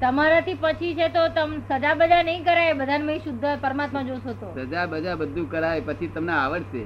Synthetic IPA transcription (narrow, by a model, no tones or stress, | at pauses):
t̪əmaɾat̪ʰipət͡ʃʰit͡ʃʰet̪ot̪əmsəd͡ʒabəd͡ʒanəĩkəɾajebəd̪ʱanməĩʃʊd̪ʱːəpəɾmat̪mad͡ʒoʃot̪osəd͡ʒabəd͡ʒabəd̪ʱːũkəɾaepət͡ʃʰit̪əmneaʋəɽʃe